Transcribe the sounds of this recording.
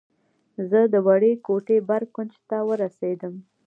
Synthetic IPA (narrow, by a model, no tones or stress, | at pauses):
zəd̪əwaɽekoʈebaɾkʊnt͡ʃt̪awəɾased̪əm